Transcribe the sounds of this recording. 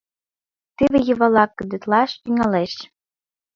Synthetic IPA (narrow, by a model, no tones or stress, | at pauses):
t̪eβejɤ̆βɑlɑkːə̆d̪ĕt̪lɑʃt̪yŋɑleʃ